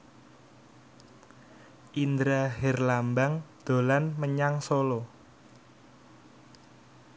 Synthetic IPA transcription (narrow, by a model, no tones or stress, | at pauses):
ʔind̪ɾaɦɛrlambaŋd̪̥o̤lanməɲaŋsolɔ